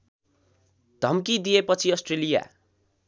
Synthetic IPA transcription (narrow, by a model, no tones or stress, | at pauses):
d̪ʱʌmkid̪ijepʌt͡sʰiʌsʈrelija̰